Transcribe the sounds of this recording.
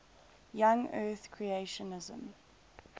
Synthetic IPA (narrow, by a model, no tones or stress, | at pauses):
jãŋɜːˑθkʰɹieʃənɪzə̰̃m